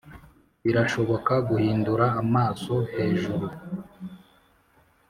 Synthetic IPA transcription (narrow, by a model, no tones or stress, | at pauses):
βiɾaʃo̞βo̞kaɡuhiːnduɾaːmaːso̞he̞ːʒuɾu